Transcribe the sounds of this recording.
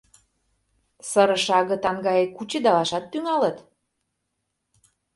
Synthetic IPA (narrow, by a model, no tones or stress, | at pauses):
səɾə̆ʃɑɣə̆t̪ɑŋɡɑjekut͡ɕĕd̪ɑlɑʃɑt̪̚t̪yŋɑlə̆t̪